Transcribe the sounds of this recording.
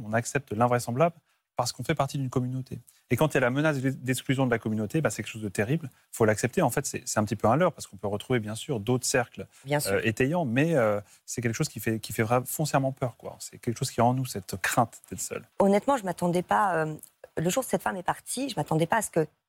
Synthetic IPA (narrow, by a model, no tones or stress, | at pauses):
ɔ̃naksɛp̚t̪lɛ̃vʁɛsɑ̃blabl | paʁsə̥kɔ̃fɛpaʁt̪id̪ynkɔmynot̪ʰe | ekɑ̃t̪jalamənas̬d̪d̪ɛksklyzjɔ̃d̪əlakɔmynot̪ebãsɛ̥kʲɛlkəʃozd̪ət̪eʁibl | ifolaksɛp̚t̪eɑ̃fɛt̪sɛ̰sɛt̪ɛ̃pət̪ipøɛ̃lœʁpaʁsə̥kɔ̃pøʁət̪χuvebjɛ̃syʁd̪ot̪χə̥sɛʁklbjɛ̃søet̪ɛjɑ̃mɛø | sɛk̬ʲɛlkə̥ʃozkʲifɛkʲifɛvʁɛfɔ̃sjɛʁmɑ̃pœʁkwa̰sɛkʲɛlkə̥ʃoz̥kʲiɛɑ̃nusɛt̪kχɛ̃t̪d̪̥ɛt̪sœ̰lɔnɛt̪mɑ̃ʒəmat̪ɑ̃d̪ɛpaø | ləʒuʁsɛt̪famɛpaʁt̪iʒəmat̪ɑ̃d̪ɛpaːsə̥kə